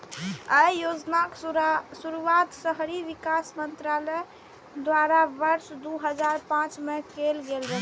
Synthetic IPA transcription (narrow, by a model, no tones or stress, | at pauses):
əjjod͡ʒnaksuɾuʋat̪səɦɾiʋikasmənt̪ɾalə | d̪waɾabəɾsd̪uɦəd͡ʒaɾpãt͡ʃmekelɡelɾəɦ